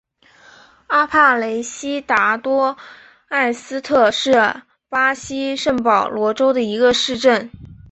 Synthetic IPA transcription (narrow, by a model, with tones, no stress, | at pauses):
a˥pʰa˥˩le˧˥ɪɕi˥t̪a˧˥t̪wɔ˥ | a˥˩ɪsɹ̩˥t̪ʰɤ˥˧ʂɻ̩˥˩ | pa˥ɕi˥ʂə˥˩ŋpɑ˨˩ʊlwɔ˧˥ʈ͡ʂo˥ʊd̪ə˨i˧˥ɡə˧ʂɻ̩˥˧ʈ͡ʂə˥˩n